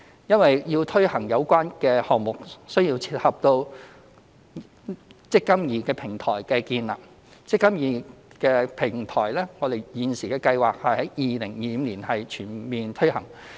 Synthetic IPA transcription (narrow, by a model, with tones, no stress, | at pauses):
jɐ˥nwɐ˨jjiː˧wt̪ʰɵ˥ɥhɐ˨˩ŋjɐ˨˧wkʷaː˥nkɛː˧hɔː˨k̚mʊ˨k̚sɵ˥ɥjiː˧wt͡sʰiː˧t̚hɐ˨p̚t̪o˧w | t͡sɪ˥kːɐ˥mjiː˨˩kɛː˧pʰɪ˨˩ŋt̪ʰɔː˨˩jkɛː˧kiː˧nla̰ː˨˩p̚ | t͡sɪ˥kːɐ˥mjiː˨ | kɛː˧pʰɪ˨˩ŋt̪ʰɔː˨˩jlɛː˥ŋɔː˨˧d̪e˨˩jjiː˨˧nsiː˨˩kɛː˧kɐ˧jwaː˨k̚hɐ˨jhɐ˨˥jjiː˨lɪ˨˩ŋjiː˧˦nliː˨˩nhɐ˨jt͡ʃʰyː˨˩nmiː˨nt̪ʰɵ˥hɐ˨˩ŋ